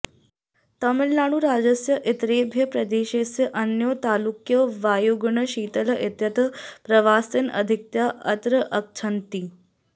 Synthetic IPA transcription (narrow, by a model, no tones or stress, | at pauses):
t̪ɐmɪlnaːɽ̃uɾaːd͡ʒɐsjɐʔɪt̪ɾeːbʱjɐpɾɐd̪eːʃeːsjɐʔɐnjoːt̪aːlukjɐʋaːjuɡɳəɕiːt̪ɐlɐʔɪt̪jɐt̪əpɾɐʋaːsinɐ̰d̪ʱik̚t̪jaʔɐt̪ɾəʔɐk̚t͡ʃʰɐnt̪i